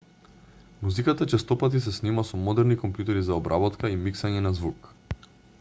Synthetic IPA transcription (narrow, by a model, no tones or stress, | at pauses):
muzikat̪at͡ʃɛst̪ɔpat̪̬is̬ɛsnimasɔmɔd̪ɛɾnikɔmpjut̪ɛɾizaɔbɾʔabɔt̪kaimiksaɲɛnazvuk